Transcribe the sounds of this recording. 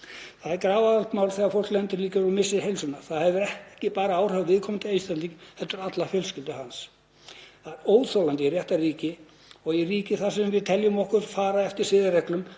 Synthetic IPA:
θaðɛɾkɾaːvaðalt̪maːwlθɛɣaɾfowlklɛnt̪ɪɾliːcaɾʏmɪsːɪɦejlsʏnaθaðhɛvʏɾɛhhcɪpaːɾaaːwr̥œvvɪðkʰɔmɪnt̪ʰɪejst̪aniŋθɛt̪ːʏɾat̪lafjœlscɪlt̪ʏhans | θaðɛɾoːwðθowlant̪ɪirjɛht̪ariːcɪ | ɔɣiriːcɪθasɛmvɪðt̪ʰɛljʏmɔhkʏɾfaːɾaɛft̪ɪɾ̥sɪðɪrɛklʏm

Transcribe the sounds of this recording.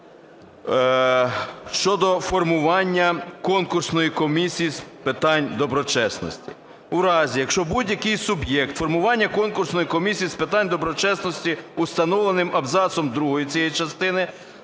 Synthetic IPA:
ʃt͡ʃɔd̪ɔfɔrmʊʋɑnʲːɐkɔnkʊrsnɔjikɔmʲisʲijispɪt̪ɑnʲd̪ɔbɾɔt͡ʃɛsnɔ̰sʲtʲi̥̰ | uɾɑzʲijɐkʃt͡ʃɔbudʲjɐkɪjsʊbjɛk̚t̪fɔrmʊʋɑnʲːɐkɔnkʊrsnɔjikɔmʲisʲijispɪt̪ɑnʲd̪ɔbɾɔt͡ʃɛsnɔsʲtʲiust̪ɐnɔʋlˠenɪmɐbzɑsɔmd̪ɾuɦɔjit͡sʲijɛjit͡ʃɐst̪ɪnɪ

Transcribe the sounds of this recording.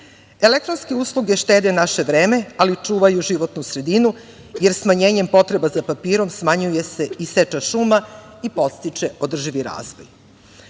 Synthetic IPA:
e̞lek̚t̪ɾo̞nske̞uːslˠuɡeʃt̪eːd̪enaʃe̞ʋɾeːme̞alit͡ʂuːʋajuʒiʋo̞t̪nusɾe̞d̪inu | je̞ɾsmaɲe̞ːɲempo̞t̪ɾe̞bazapapiːɾo̞msmaɲuje̞se̞iset͡ʃaʃuːma | ipo̞t̪st̪it͡ʂe̞o̞d̪r̩ʒiʋiɾa̰ːzʋo̰j

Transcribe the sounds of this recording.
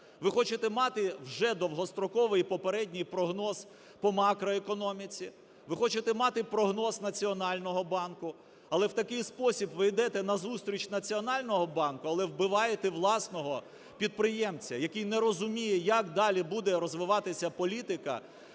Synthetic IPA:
ʋɪxɔt͡ʃɪt̪ɛmɑt̪ɪwʒɛd̪ɔwɦɔst̪ɾɔkɔʋɪjpɔpeɾɛdʲnʲijpɾɔɦnɔz | pɔmɑkɾɔekɔnɔmʲit͡sʲi | ʋɪxɔt͡ʃet̪ɛmɑt̪ɪpɾɔɦnɔznɐt͡sʲiɔnɑlʲnɔɦɔbɑnkʊ | ɐlˠɛwt̪ɐkɪjspɔsʲibʋɪjd̪ɛt̪ɛnɐzust̪ɾʲit͡ʃnɐt͡sʲiɔnɑlʲnɔɦɔbɑnkʊɐlˠɛwbɪʋɑjet̪ɛʋlˠɑsnɔɦɔ | pʲid̪̚pɾɪjɛmt͡sʲɐjɐkijnɛɾɔzʊmʲijɛjakd̪ɑlʲibud̪ɛɾɔzʋɪʋɑt̪ɪsʲɐpɔlʲit̪ɪkɐ̰

